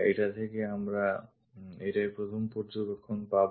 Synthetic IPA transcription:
ḛjʈat̪ʰekeamɾa | eʈajpɾot̪ʰompoɾd͡ʑobekʰːonpab

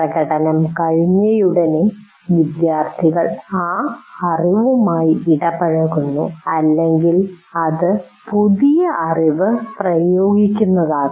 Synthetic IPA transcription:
rɐɣɐɽɐnɐmkɐɻiɲːɐjuɽɐne | ʋid̪jaːrt̪ʰiɣɐɭaːɐriʋumaːjiiɽɐbɐɻɐɣunːuɐlːeŋɡilɐðɨ | puðijɐʔɐriʋɨprɐjo̞ːɡikʲːunːɐðaː

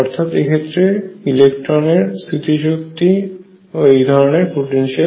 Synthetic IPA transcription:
ɔɾt̪ʰat̪ekʰet̪ːɾeilekʈɾoneɾst̪ɾit̪id͡ʑukt̪i | ejd̪ʱɔɾoneɾpoʈenʃa

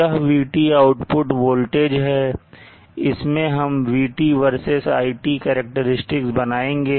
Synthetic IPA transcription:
əɦʋiːʈiaːʊʈpʊʈʋoːlʈeːd͡ʒɦɛː | ɪsmẽɦɐmʋiːʈiʋəɾsɪsa̰ːiʈikɛːɾək̚ʈəɾɪsʈɪksbɐnaːẽːŋɡeː

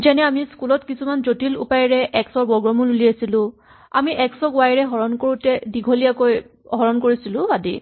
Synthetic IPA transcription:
zɛnɛamiskulɔtkisumanzotilṵpajɹɛʔɛksɔɹbɔɡɹɔmululiasilʊ̃ | amiʔɛksɔɡʊwajɹɛɦɔɹɔnkoɹutɛdiɡʱolijakojɦɔɹɔnkoɹisilʊ̃adḭ

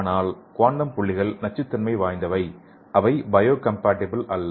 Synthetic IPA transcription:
naːlkoːɳɖɐmpʊɭːɪɣɐɭnɐt͡ʃːɯt̪ːɪnmɐɪʋaːjnd̪ɐʋɐɪ | ʔɐʋɐɪbɐjoːkɐmpaːʈːɪbɐlɐlː

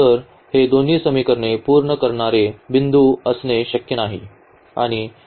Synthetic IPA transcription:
əɾ | hed̪on̤iːsəmikəɾɳepuːɾɳəkəɾɳaɾeʋind̪ʱuəsneɕəkjənaɦḭ | a̰ɽ̃i

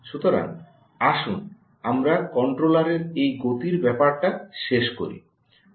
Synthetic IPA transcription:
ʃut̪oɾa̰ŋ | aʃun | amɾakɔɳʈɾolaɾeɾejɡot̪iɾbɛpaɾʈaʃeʃko̰ɾḭ

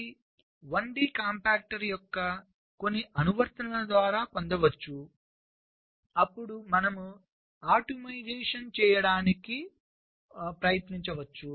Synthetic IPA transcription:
ʋɐɳɖiːkaːmpaːk̚ʈɐɾjɔkːɐ | ko̞nːiʔɐnuʋɐɾt̪ɐnɐlɐd̪ʋaːɾaːpond̪ɐʋɐt͡ʃːu | ɐpːuɽumɐnɐmu | aːʈomɐjd͡ʒeːʂɐnt͡ʃɛːjɐɽaːniki | pɾɐjɐt̪niɲt͡ʃɐʋɐt͡ʃːu

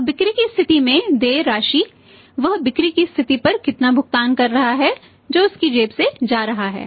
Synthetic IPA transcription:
bɪkɾikist̪ʰɪt̪imẽd̪eːɾaːʃiː | ʋɐɦbɪkɾikist̪ʰɪt̪ipɐɾkɪt̪nabʱʊɡt̪aːnkɐɾːɐɦaɦɛ | d͡ʒoːʊskid͡ʒeːpsed͡ʒaːɾɐɦaɦɛ̰ː

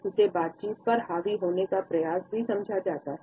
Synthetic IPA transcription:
t̪ʊsebaːt̪̚t͡ʃiːt̪̚pɐɾɦaːʋiɦoːnekapɾɐjaːsbʱisɐ̃md͡ʒʱad͡ʒaːt̪aː

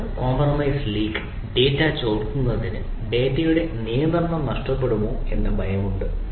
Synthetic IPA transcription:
ko̞ːmprɐmɐjsliːk | ɖe̞ːtːat͡ɕoːðk̪ːunːɐðɐðinɨ | be̞ːtːɐjuɽe̞niːjɐnd̪rɐnːɐmnɐʂʈɐpːe̞ɽumoːe̞nːebʱɐjɐmuɳɖɨ

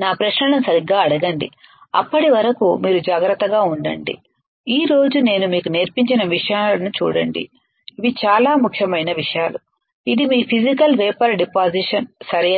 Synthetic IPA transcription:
naːpɾɐʃnɐɳɐmsɐɾiɡaːɐɽɐɡɐɳɖḭ | ɐ̰pːɐʈiʋɐɾɐkumiːɾud͡ʒaːɡɾɐt̪ːɐɡaːuɳɖɐ̰ɳɖḭ | iːɾo̞ːd͡ʒune̞ːnumiːkuneːɾpiɲt͡ʃinɐʋiʂɐjaːlɐnut͡ʃṵːɽɐɳɖḭ | iʋit͡ʃaːlaːmukʰjɐmɐjnɐʋiʂɐjaːlu | id̪imiːpʰid͡ʒikɐlʋɛːpɐɾɖipaːd͡ʒiʂɐnsɐɾɐ

